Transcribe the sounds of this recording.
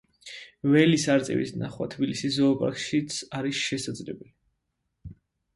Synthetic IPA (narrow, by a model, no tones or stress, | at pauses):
vɛlisaɾt̪sʼɛ̰vḭsnaχwa̰t̪ʰbilisiszɔːpʼa̰ɾkʃit̪sʰaɾisʃɛsad̪zlɛbɛli